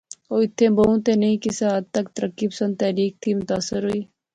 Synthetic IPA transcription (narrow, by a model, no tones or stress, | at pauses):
oːɪt̪ʰːẽːboũːt̪eːnəɦĩːkisaːd̪̚t̪əkt̪əɾəkːiːpə̥sə̃nd̪̚t̪ɛːɾiːk̚t̪ʰiːmʊt̪aːsɪɾɦʊiː